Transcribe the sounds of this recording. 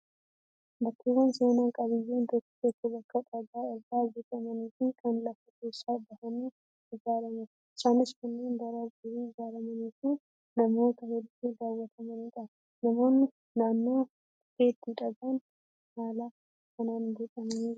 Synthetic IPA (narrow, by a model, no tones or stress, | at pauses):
bɐk̪ʰːɪɡɐnseːnaːŋkʼɐβɪjːeːnt̪ɔt̪ːɪ̥kɛt̪ːɪbɐkʼːɐt̪ʼɐɡaːɪɾɡaːd͡ʒɛk̪ʼɐmɐniːfɪkʰɐnlɐfːʊkeːʃːaːbɐhɐniː | ɪd͡ʒaːɾɐmʊ | ɪt͡ʃːaːnɪskʊnːeːnb̪ɐɾɐɡʊɾiːɪd͡ʒaːɾɐmɐniːku | nɐmo̞ːt̪ɐhed̪fed̪aːwːɐt̪ʰɐmɐniːᶑ̪ɐ | nɐmo̞ːnː | aːnːoː | heːt̪ːiᶑɐɡuːn | haːla | kɐnaːnd͡ʒɛt̪ʼɐmɐni